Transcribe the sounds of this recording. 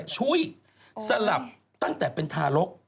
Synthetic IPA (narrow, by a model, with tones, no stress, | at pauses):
t͡ɕʰu˦˥ə˨j | sa˧la˨˩p̚ | t̪a˥˩ŋt̪ɛː˨˩pe˧nt̪ʰaː˧lo˦˥k̚